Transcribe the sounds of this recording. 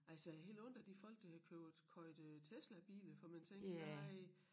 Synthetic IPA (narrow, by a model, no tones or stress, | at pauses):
ælsəhe̝̰ːld̥ɔ̽n̰d̥æd̥ifɒ̽l̰ɡ̥d̥ɑ̈hækʰøʊð̩ˠkʰɒ̽ɪd̥t͡sʰeslɐb̥ḭːləfɒmænt͡sʰeŋɡ̥ɐaɪ